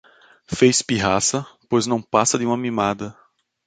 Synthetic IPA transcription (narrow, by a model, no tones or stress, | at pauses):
fejspiɦasɐpojznɐ̃w̃pasɐd̪ɪũmɐmimad̪ɐ